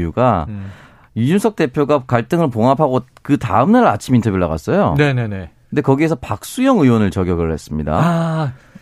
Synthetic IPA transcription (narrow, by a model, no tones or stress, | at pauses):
juɡa | jud͡ʑunsʰʌk̚t͈e̞pʰjoɡakaɭt͈ɯŋɯɭpoŋɦapʰaɡokɯta̰ɯmnaɾɯat͡ɕʰimintʰʌbjuɭːaɡa̰s͈ʌjonenene̞kɯnde̞kʌɡie̞sʰʌpak̚s͈ujʌŋɯwʌnɯɭt͡ɕʌɡjʌɡɯɭhe̞s͈ɯmɲida̰